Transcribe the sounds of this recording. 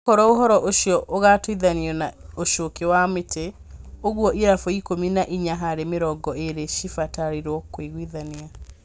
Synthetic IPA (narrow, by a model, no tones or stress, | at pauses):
ɔɾɔoɦɔɾɔʔoʃiɔʔoɣatwiðaniɔnaoʃokewametʰe | oɣwɔʔiɾafɔikominaʔiɲaɦaɾemeɾɔɡɔeɾeʃifataɾiɾɔkwiɣwiðania